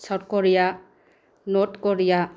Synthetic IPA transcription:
sʰɔɾkɔɾija | notkɔɾija

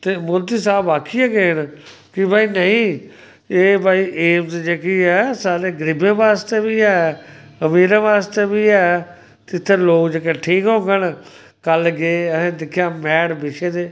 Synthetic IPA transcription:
t̪eːmʊɾd̪iːsaːbaːkʰiɛːɡeːnkɪbaːiːnəĩː | eːbaːiːʔeːmt̪d͡ʒeːkiːɛːsaːɾeːɡɾɪbẽːʋaːst̪eːbiːɛːəmiːɾãːʋaːst̪eːbiːɛː | t̪ɪt̪ʰːeːloːkd͡ʒeːkeːʈʰiːkɦõːɡən | kəlɡeːəɦẽːd̪ɪkʰjaːmɛːɽbɪʃeːd̪eː

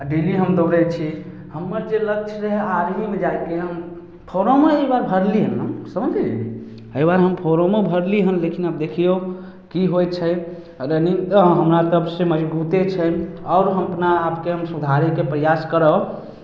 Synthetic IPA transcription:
aɖiliɦəmd̪əʊɾɛt͡ʃʰi | həmːəɾd͡ʒelək̚t͡ʃʰɾəɦaɾɦimed͡ʒajkeɦəm | pʰoɾomeəbaɾbʱəɾliɦənɦəmsəmd̪i | əbaɾɦəmpʰoɾomebʱəɾliɦənlekʰinabd̪ekʰio | kiɦojt͡ʃʰəj | ɾəniŋt̪əɦəmɾasəbsẽməd͡ʒbut̪et͡ʃʰəɔʊɾɦəmpnaapkeɦəmsud̪ʱaɾɛkepɾəjaskəɾə

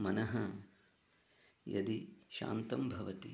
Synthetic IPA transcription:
mɐnɐɦɐ | jɐ̰d̪iʃa̰ːnt̪ɐmbʱɐʋɐt̪ḭ

